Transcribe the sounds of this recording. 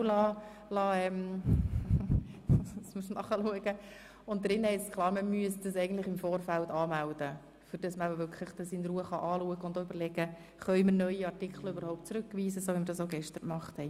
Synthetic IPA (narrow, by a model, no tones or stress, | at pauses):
lɑː | lɑːɛm | smusnɑχəluəɡə | ʊnt̚d̥ɾɪnhɛɪsskʰlˠɑːɾməmyəsd̥əsɛɪɡəntlɪχɪmfoːɾfæltɑːmæld̥ə | fʏɾd̥ɑsməæəʋʏkʰlɪχd̥ɑsinɾuəχɑ̰ʔɑːluəɡəʊndoʏbəɾlɛɡ̥ə | χœʏməɾnœʏiɑrtɪkʰχl̩øbəɾhɔʊp̚t̚t͡sɾʉkːʋiːsəsoːʋiməɾdɑsoɡɛʃtəɾkmɑχthɛɪ